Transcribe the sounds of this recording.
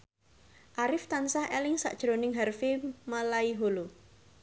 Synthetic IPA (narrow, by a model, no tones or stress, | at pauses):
ʔaɾɪft̪ansahelɪŋsa̰ʔd̥ʒ̥ɾonɪŋɦarfemalaiɦolo